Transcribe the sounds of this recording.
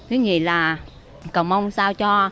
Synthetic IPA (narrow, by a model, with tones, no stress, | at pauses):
kɨ˨˦ŋḭ˧˩˨laː˨˩ | kə˨˩ŋ͡mma˧wŋ͡msaː˧wt͡ɕɔ˧